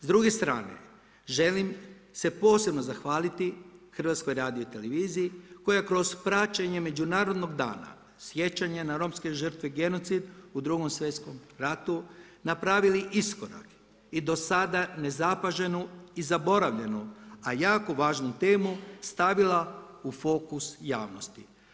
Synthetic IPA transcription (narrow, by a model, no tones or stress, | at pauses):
zd̪ɾuɡe̞st̪ɾa̰ːne̞̰ | ʒe̞lim | se̞po̞ːse̞bnozaxʋaːlit̪ixr̩ʋat̪sko̞jɾaːd̪ioit̪e̞le̞ʋiːzijikojakɾo̞zpɾat͡ʃaɲe̞me̞d͡ʒunaːɾo̞d̪no̞ɡd̪a̰ːna̰ | sje̞t͡ʃaɲenaɾo̞mske̞ʒər̩t̪ʋeɡe̞no̞t̪sid̪ud̪ɾuɡo̞msʋet̪sko̞mɾat̪u | napɾaːʋiliʔisko̞ɾa̰k | id̪o̞sad̪ane̞zapaʒe̞nuizabo̞ɾaʋʎe̞nuajaːkoʋaːʒnut̪e̞ːmust̪aʋilaufo̞kusja̰ːʋno̞st̪i